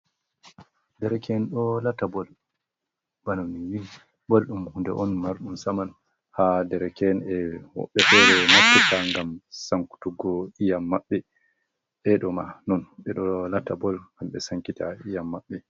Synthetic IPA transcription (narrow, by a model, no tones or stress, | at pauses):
dɛɾɛkʰɛnɗɔlatːabɔl | bananiwin | bolɗumhundɛ̰ʔɔnmaɾɗumsaman | hadɛɾɛkɛnɛwɔ̰ɓːɛfɛɾɛmapːitʰaŋɡamsaŋku̥tuɡɔijamːaɓːɛ | ɓɛɗɔmanɔnɓɛɗɔlatːabɔlŋɡamɓɛ̰saŋkitaijamːaɓːɛ